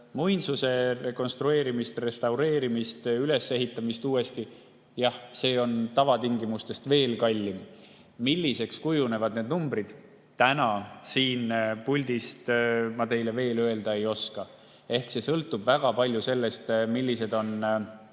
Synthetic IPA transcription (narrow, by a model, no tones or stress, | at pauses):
mujnsuse̞re̞ko̞nst̪ɾue̞ːɾimist̪re̞st̪ɑwɾe̞ːɾimist̪yle̞sːe̞ɦit̪ːˑɑmist̪uːe̞st̪i | jɑhse̞ːo̞nt̪ɑvɑt̪iŋɡimust̪e̞st̪ve̞ːlkɑlʲːi | milʲːise̞kskujune̞vɑd̪ne̞ːd̪numbrid̪̥ | t̪ænɑsiːnpulʲd̪̥ist̪mɑt̪e̞jle̞ve̞ːlø̞e̞ld̪ɑe̞jo̞skɑ | e̞hkse̞sɤlt̪ːˑub̥væɡ̥ɑpɑlʲjuse̞lːe̞st̪milʲːise̞d̪̥o̞n